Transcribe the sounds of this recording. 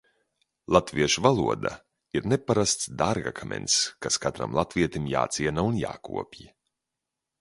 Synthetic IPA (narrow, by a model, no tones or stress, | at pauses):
lˠat̪viɛʃuvalˠuɔd̪a̰ | iɾnepaɾast̪sd̪aɾɡa̰kʰamʲḛnt̪skaskat̪ɾa̰mlˠat̪viɛt̪imja̰ːt̪siɛnaunja̰ːkṵɔpʲji